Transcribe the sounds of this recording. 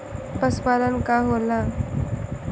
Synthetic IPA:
pəspalənkaɦola

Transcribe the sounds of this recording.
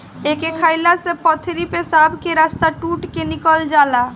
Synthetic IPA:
ekekʰajlasẽpət̪ʰɾipesabʱkeɾast̪aʈuʈkenikəld͡ʒala

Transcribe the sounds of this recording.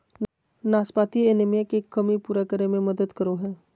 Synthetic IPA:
naːspaːt̪ieːnemjekekːəmipuːɾakəɾemẽmɐd̪əd̪kəɾoɦɛː

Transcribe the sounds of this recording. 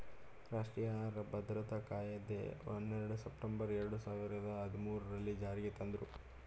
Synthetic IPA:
ɾaːʂʈɾijaɾɐbɐd̪ɾɐt̪ɐkaːjɐd̪ḛonːeɾɐɽusepʈembɐɾɛɾɐɽusaːʋiɾɐd̪ɐɦɐd̪ʱimuːɾɐɾɐlːid͡ʒaːɾiɡet̪ɐnd̪ɾu

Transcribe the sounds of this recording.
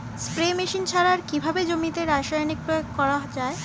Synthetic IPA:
spɾemeʃint͡ɕʰaɾaɾkibʱabed͡ʑomit̪eɾaʃajnik̚pɾojoɡkɔɾad͡ʑae

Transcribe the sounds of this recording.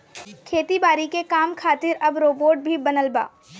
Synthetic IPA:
kʰeːt̪ibaːɾikekaːmkʰaːt̪ɪɾɐbɾoːboːʈ̚bʱibɐnəlba̰ː

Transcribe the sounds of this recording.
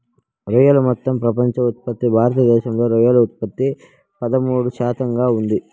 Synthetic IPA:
ɾujɐlɐmɔt̪ːɐmpɾɐpɐɲt͡ʃɐut̪̚pɐt̪ːibʱaːɾɐt̪ɐd̪ɛːʃɐmlo̞ːɾujɐlɐut̪̚pɐt̪ːi | pɐd̪ɐmuːɽuʃaːt̪ɐŋɡaːund̪i

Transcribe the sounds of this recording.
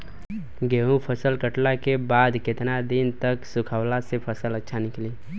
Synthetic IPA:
ɡeɦũpʰəsəlkəʈlakebad̪ket̪nad̪int̪əksukʰəʊlasepʰəsələtːʃʰanɪkli

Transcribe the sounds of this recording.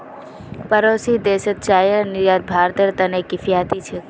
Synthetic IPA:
pəɾosid̪eːsət̪̚t͡ʃaːjənɪɾjaːt̪̚bʱaːɾt̪əɾt̪ənekɪfjaːt̪it͡ʃʰe

